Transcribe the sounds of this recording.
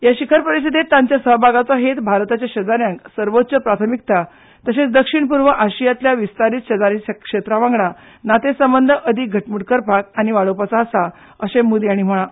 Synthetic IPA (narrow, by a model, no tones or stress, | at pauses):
jaɕikʰəɾpəɾisid̪et̪ːãɲt͡ɕjasəɦbʱaɡat͡sɔɦet̪bʱaɾt̪at͡ɕjaɕəd͡zaɾjãŋksəɾʋot̪ːt͡səpɾat̪ʰəmik̚t̪a | t̪əset͡sd̪əkʂiɳpuɾʋəʔaɕijat̪ljaʋist̪aɾit̪ɕəd͡zaɾisakʂet̪ɾaʋãŋɡɭa | nat̪esəmbənd̪ʱəʔəd̪iɡʱəʈmuɽkəɾpak̚aɽ̃iʋaɭopat͡saəsa | əɕẽmud̪aɽ̃im̤əɭa